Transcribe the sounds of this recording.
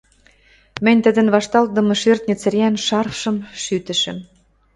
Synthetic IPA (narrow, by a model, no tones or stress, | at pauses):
mə̆nʲt̪ə̆d̪ə̆nβɑʃt̪ɑl̚d̪ɤ̆mɤ̆ʃert̪̚nʲə̆t͡sɘ̆ɾeænʃɑrfʃɤ̆mʃyt̪ə̆ʃə̆m